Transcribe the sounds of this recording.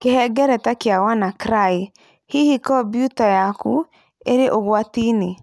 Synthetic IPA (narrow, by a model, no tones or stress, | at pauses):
kehɛɡɛɾɛtakjawanakɾai | hihikɔbjutajakṵ | eɾeʔoɣwatine